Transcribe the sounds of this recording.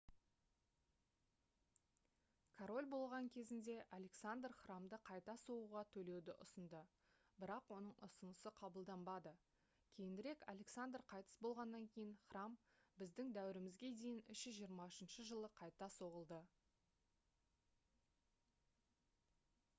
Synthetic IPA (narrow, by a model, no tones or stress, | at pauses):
kʰoɾo̞lʲbo̞lˠʁɑŋkʲʰe̞zɪnd̪e̞ʔalʲe̞ksand̪rχramd̪əqʰɑjt̪ɑso̞ʁuʁɑt̪ʰɵle̞wd̪ɪʔʊsənd̪ə | bɪɾɑqwo̞nəɴʔʊ̰sənəsəqʰɑbəlˠd̪ɑmbɑd̪ə | kʲʰe̞jɪnd̪ɪɾe̞kalʲe̞ksand̪rqʰɑjt̪ə̥sbo̞lˠʁɑnːɑŋkʲʰe̞jɪɴχrambɪzd̪ɪŋd̪æwɪɾɪmɪzɡʲe̞d̪e̞jɪnʏʃɪʒijəɾmɑʊʃənʃəʒəlˠəqʰɑjt̪ɑso̞ʁəlˠd̪ə